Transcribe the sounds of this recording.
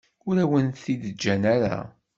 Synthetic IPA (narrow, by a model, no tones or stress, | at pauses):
ʊɾæwənθiðəd͡ʒːænæɾa̰